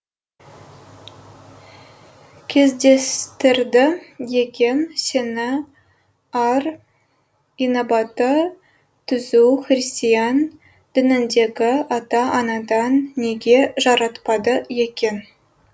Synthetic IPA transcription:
kʲʰe̞zd̪e̞st̪ɪɾd̪ɪje̞kʲe̞nse̞nɪ | ɑr | ijnobɑt̪ə | t̪ʰʏzuχrist̪ijɑn | d̪̥ɪnɪnd̪e̞ɡʲɪɑt̪ɑʔːnɑd̪ɑnːe̞ɡʲe̞ʒɑɾɑt̪pɑd̪əje̞kʲe̞n

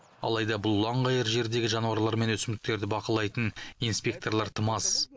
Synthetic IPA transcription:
ɑ̰lˠɑjd̪ɑbʊlˠːɑɴʁɑjəɾʒe̞ɾd̪e̞ɡʲɪʒɑnuɑɾlˠɑɾme̞nwɵsɪmd̪ɪk̚t̪e̞ɾd̪ɪbɑqəlˠɑjt̪ənijnspʲe̞k̚t̪o̞rlˠɑɾt̪ʰəmɑs

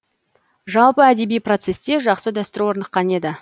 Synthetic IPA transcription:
ʒɑlˠpəæd̪e̞bijpro̞t̪se̞st̪e̞ʒɑqsəd̪ɑst̪əɾuwo̞ɾnəqqːɑne̞d̪ɪ

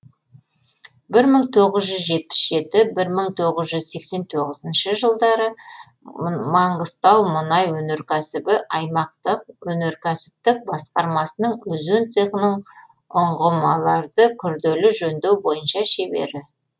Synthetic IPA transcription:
bɪɾməɴt̪ʰo̞ʁəzʒʏzʒe̞t̪̚pɪ̥sʒe̞t̪ɪbɪɾməɴt̪ʰo̞ʁəzʒʏzse̞kse̞nt̪ʰo̞ʁəzənʃəʒəlˠd̪ɑɾə | mɑɴʁəzt̪ɑwmʊnɑjwɵne̞ɾkʲʰæsɪbɪʔɑjmɑq̚t̪əq̚wɵne̞ɾkʲʰæsɪ̥p̚t̪ɪk̚bɑsqɑɾmɑsənəɴwɵzɵnt̪seqənəɴ | ʊɴʁəmɑlˠɑɾd̪əkʲʰʏɾd̪elɪʒɵnd̪e̞wbo̞jənʃɑʃe̞be̞̰ɾɪ

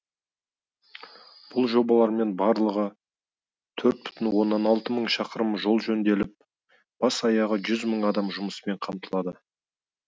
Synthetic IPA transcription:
b̥ʊlˠʒo̞bɑlˠɑɾme̞nbɑɾlˠəʁə | t̪ʰɵɾt̪̚bʏ̥t̪ʰɪnwo̞nːɑnɑlˠt̪əməɴʃɑqəɾəmʒo̞lˠʒɵnd̪e̞lɪp̚ | b̥ɑsɑjɑʁəʒʏzməɴɑd̪ɑmʒʊməsəme̞ɴqʰɑmt̪əlˠɑd̪ə

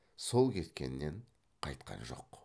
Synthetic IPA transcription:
so̞lˠkʲʰe̞t̪kʲe̞̰nːe̞ɴ | qʰɑjt̪qɑ̰nʒo̞̰q

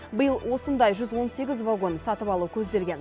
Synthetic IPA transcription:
bəjəlˠwo̞sənd̪ɑjʒʏzwo̞nse̞ɡʲɪzvaɡo̞nsɑt̪əpɑlˠukʲʰɵzd̪e̞lɡʲe̞n

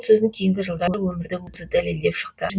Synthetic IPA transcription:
sɵzɪnɪŋkʲʰe̞jɪŋɡʲɪʒəlˠd̪ɑwɵmɪɾd̪ɪbosəd̪æle̞ld̪e̞pʃə̥qt̪əʒ

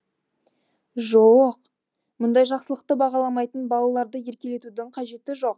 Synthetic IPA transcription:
ʒowəq | mʊnd̪ɑjʒɑqsəlˠəq̚t̪əbɑʁɑlˠɑmɑjt̪ənbɑlˠɑlˠɑɾd̪əje̞ɾkʲe̞le̞t̪ud̪ɪɴqʰɑʒe̞t̪ɪʒo̞q̚

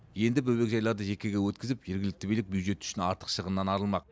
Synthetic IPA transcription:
je̞nd̪ɪbɵbe̞kʒɑjlˠɑɾd̪əʒe̞kʲe̞ɡʲewɵt̪̚kʲɪzɪpʒe̞ɾɡʲɪlɪk̚t̪ɪbejlɪk̚bjud̪ʒe̞t̪ʏ̥ʃɪnɑ̰ɾt̪ə̥qʃəʁənːɑnɑɾəlˠmɑq

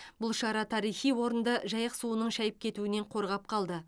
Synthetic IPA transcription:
bʊlˠʃɑɾɑt̪ʰɑɾijχijwo̞ɾənd̪əʒɑjəqsuənəɴʃæjəp̚kʲʰe̞t̪uɪne̞ɴqʰo̞ɾʁɑp̚qʰɑlˠd̪ə

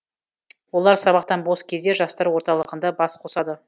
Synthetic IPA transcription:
wolˠɑɾsɑβɑqt̪ɑnbo̞skʲʰe̞zd̪e̞ʒɑst̪ɑɾwo̞ɾt̪ɑlˠəʁənd̪ɑbɑsqʰo̞sɑd̪ə

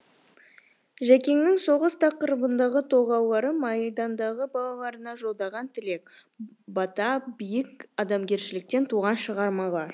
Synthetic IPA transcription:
ʒækʲe̞ŋnɪŋso̞ʁəst̪ʰɑqəɾəbənd̪ɑʁət̪ʰo̞ʁɑwlˠɑɾəmɑjd̪ɑnd̪ɑʁəbɑlˠɑlˠɑɾənɑʒo̞lˠd̪ɑʁɑnt̪ʰɪle̞k̚ | bɑt̪ɑbijɪkɑd̪ɑmɡʲe̞ɾʃɪlɪk̚t̪e̞nt̪ʰuʁɑnʃəʁɑɾmɑlˠɑɾ

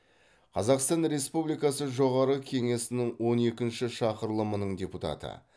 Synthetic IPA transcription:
qʰɑzɑqst̪ɑnɾe̞spublijkɑsəʒo̞ʁɑɾəkʲʰe̞ŋe̞sɪnɪŋwo̞ne̞kʲɪnʃɪʃɑqəɾlˠəmənəɴdʲe̞put̪ɑ̰t̪ə̰

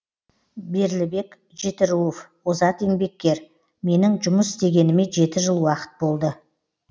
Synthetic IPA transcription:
be̞ɾlɪbe̞k | ʒe̞t̪ɪɾuof | ozɑt̪e̞ŋbe̞kʲːe̞ɾ | me̞nɪŋʒʊməsst̪e̞ɡʲe̞nɪme̞ʒe̞t̪ɪʒəlˠwɑqə̥t̪̚bo̞lˠd̪ə

